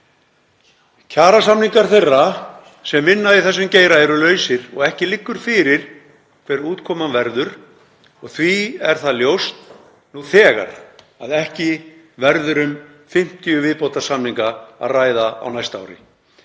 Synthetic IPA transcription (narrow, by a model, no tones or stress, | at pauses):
cʰaːɾasamniŋkaɾ̥θejrːa | sɛmvɪnːaðiθɛs̬ːʏmceːjɾaɛɾʏlœːɥsɪɾ̥ɔɣɛhcɪlɪkːʏɾ̥fɪːɾɪɾ̥ | kʰvɛɾɪɾuːt̪kʰɔːmanvɛɾðʏɾ̥ | ɔɣθviɛɾ̥θaðljowst̪ | nuːθɛːɣa̰ɾ | aðɛhcɪ | vɛɾðʏɾʏm | fɪm̥t̪ijʏvɪðpowt̪ḁsamniŋkaa̰ðraːjðaa̰wnajst̪a̰wɾɪ̰